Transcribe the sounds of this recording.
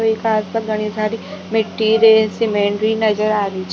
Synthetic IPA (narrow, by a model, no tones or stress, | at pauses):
oikʰaːspəɾɡʱəɽ̃isaːɾimɪʈːiːɾesɪmeːɳɖɾinɐd͡ʒəɾaːɾeit͡ʃʰ